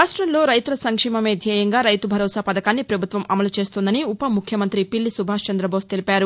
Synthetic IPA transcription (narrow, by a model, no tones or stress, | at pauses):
aːʂʈɾɐmlo̞ːɾɐjt̪ulɐsɐŋkʂɛːmɐme̞ːd̪ʱjɐːjɐŋɡaːɾɐjt̪ubʱɐɾɔːsaːpɐd̪ɐkaːnːipɾɐbʱut̪ʋɐmʔɐmɐlut͡ʃe̞ːst̪ond̪ɐniupɐmːukʰjɐmɐnt̪ɾipilːisubʱaːst͡ʃɐnd̪ɾɐboːst̪elipaːɾu